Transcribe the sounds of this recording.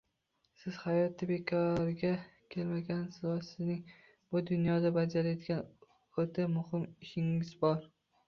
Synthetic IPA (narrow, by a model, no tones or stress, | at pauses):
sɪz̥hajɒt̪ʰɪbe̞kʰɒɾɪɡʲakʲʰe̞lmaɡʲansɪzɒsɪznɪŋ | b̥ʊd̪ʊnjɒd̪abad͡ʒaɾajɒd̪ɡʲan | ot̪ʰamʊhɪmɪʃɪŋɪzbɒɾ